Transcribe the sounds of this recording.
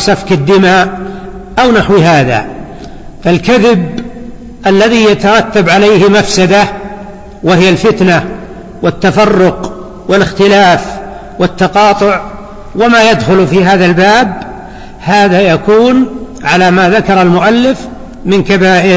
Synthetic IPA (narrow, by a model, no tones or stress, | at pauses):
safkɪd̪ːɪmaːʔ | ʔawnaħwɦaːða̰ | falkaðɪb̚ | ʔalːaðijat̪ɑɾˤɑt̪ːabʕalajhmafsad̪a | wɪhɪjalfɪt̪na | wɪt̪ːafɑrˤːʊq | wɪlɪxt̪ɪlaːf | wɪt̪ːɑqɑːt̪ˤʊʕ | wɪmaːjad̪xʊlfiːɦaːðalbaːb | haːðajakuːn | ʕalamaðakɑɾˤɑlmʊʔalːɪf | mɪnkabaːʔɪɾ